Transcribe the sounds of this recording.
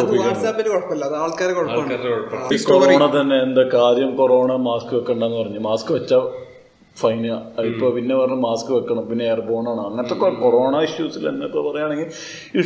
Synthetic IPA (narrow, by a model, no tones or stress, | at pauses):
ɐðiaːʈsaːpːɐnːekoɽɐpːɐlːɐɐðaːɭkaːɾekoɽɐpːɐkːɐːɾkoɽɐːɐkoroːɳɐt̪ɐnːe̞ːnd̪ɐkaːɾjɐmko̞ro̞ːɳɐmaːskɨʋekːɐɳɖɐenːɨpɐrɐɲːumaːskɨʋɐt͡ɕːa | fɐjnaipːoːpinːe̞pɐrɐɲːɐmaːskɨʋekːɐɳɐmpinːeejɐrbo̞ːɳaːɳɨɐŋːɐnɐt̪ːokːekoro̞ːɳaiʂjuːsilenːɐt̪ːepɐrɐjaːɳe̞ŋɡil | i